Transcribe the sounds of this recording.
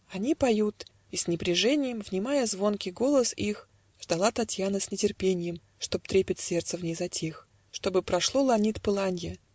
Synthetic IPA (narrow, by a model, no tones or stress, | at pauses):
ɐnʲipɐjut̪ | isʲnʲɪpɾʲɪʐɛnʲɪjɪmvnʲɪmajəzvo̞nkʲɪɡo̞lˠəsix | ʐ̥d̪ɐlˠat̪ɐtʲjanəsʲnʲɪtʲɪrpʲenʲɪjɪm | ʂt̪o̞p̚t̪ɾʲepʲɪtʲsʲe̞rt̪səvnʲejzɐtʲex | ʂt̪o̞bɨpɾɐʂlˠo̞lˠɐnʲit̪pɨlˠanʲjɪ